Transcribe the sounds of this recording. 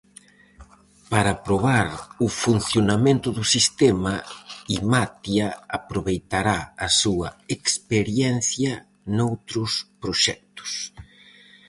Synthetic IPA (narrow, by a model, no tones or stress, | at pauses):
paɾapɾoβ̞aɾʊfun̟θjonamẽnt̪ʊðʊsist̪ɛmɐimat̪jɐapɾoβejt̪aɾaɐsuɐekspeɾjɛn̟θjɐ | nowt̪ɾʊspɾoʃɛk̚t̪ʊ̥s